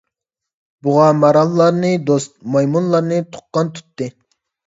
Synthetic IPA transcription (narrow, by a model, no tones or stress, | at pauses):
buʁɑmɑɾɑlˠːɑɾnɨd̪ost̪̚mɑjmunlˠɑɾnɨt̪ʰʊ̥qːɑnt̪ʰu̥t̪ːɨ